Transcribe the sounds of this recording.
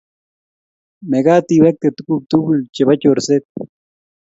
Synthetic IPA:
meɡaːt̪iβek̚t̪et̪ukuk̚t̪ubult͡ʃeβacʲoɾset̪̚

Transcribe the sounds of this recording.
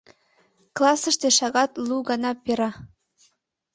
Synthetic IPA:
klˠɑsə̆ʃt̪eʃɑɣɑt̪luɣɑnɑpeɾɑ

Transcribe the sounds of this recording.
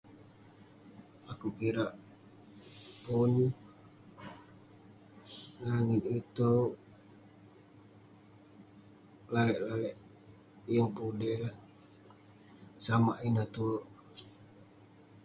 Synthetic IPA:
akukiɾaʔ | pun | laŋit̪it̪ouʔ | lalɛʔlalɛʔ | jəŋpudɛla | samaʔinat̪uloʔ

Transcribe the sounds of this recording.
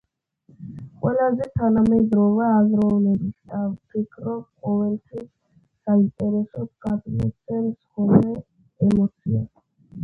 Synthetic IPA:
qʼwɛlazɛt̪ʰanamɛd̪ɾɔvɛːzɾɔvlɛbisavpʰikʰɾɔb̚qʼɔvɛlt̪ʰwisː | aint̪ʼɛɾɛsɔɡad̪lɛtsɛnsχɔmɾɛ | ɛmɔt̪sʰia̰

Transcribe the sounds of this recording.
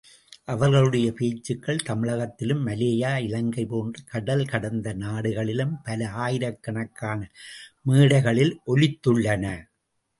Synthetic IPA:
ʔɐʋɐɾɣɐɭɯɽɐjɐpeːt͡ʃːɯkːɐɭt̪ɐmɪɻɐɣɐt̪ːɪlɯmːɐleːjaːɪlɐŋɡɐɪpoːndrɐkɐɽɐlkɐɽɐnd̪ɐnaːɽɯɣɐɭɪlɯmpɐlɐaːjɪɾɐkːɐɳɐkːaːnɐmiːɽɐɪɣɐɭɪlʔɔlɪt̪ːɯɭːɐnɐ

